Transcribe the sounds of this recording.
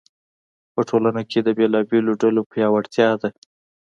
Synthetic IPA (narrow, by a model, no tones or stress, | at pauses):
pəʈʰolanakʰed̪əbelɑbeloɖalopjɑwaɽt̪jɑd̪a